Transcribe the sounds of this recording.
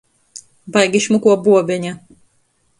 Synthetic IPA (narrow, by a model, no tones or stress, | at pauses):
bajɡʲiʃmukuɔbuɔbʲɛɲʲa